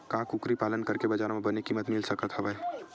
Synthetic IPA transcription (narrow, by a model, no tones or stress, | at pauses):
kãːkʊkɾipaːlənkɐɾkebɐd͡ʒaːɾmẽbɐnekimɐt̪mɪlsəkət̪ɦɐʋə